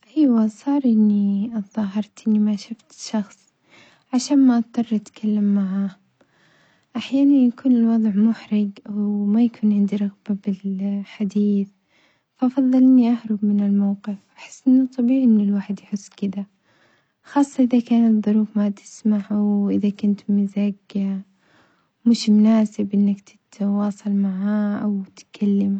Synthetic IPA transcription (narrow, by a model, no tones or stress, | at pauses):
ʔiːwasˤɑːɾˤʔɪnːiʔðˤɑːɦɑɾˤt̪ʔɪnːimaʃʊft̪ʃɑxsˤ | ʕaʃaːnmaʔɑt̪̚t̪ˤːɑrˤːʔat̪kʰalːamːaʕa | ʔaħjaːnanjakuːnɪlwɑðˤʕmʊħɾɪɡwmajakʰuːnʕɪnd̪iɾˤɑɣbabɪlħad̪iːθ | faʔɑfɑðˤːɨlniʔahɾˤʊbmɪnɪlmawqɪfwʔaħɪ̥sːʔɪnːʊt̪ˤːɑbiːʕiʔɪnːɪlwaːħɪd̪jħʊsːkɪd̪a | xɑːsˤːɑʔɪðakaːnɪt̪ðˤːʊɾuːfmat̪ɪ̥smaʕwʔɪðakʊnt̪mɪzaɡ | mɪʃmʊnaːsɪbʔɪnːakt̪ɪ̥t̪wɑːsˤɑlmaʕaʔawt̪kʰalːam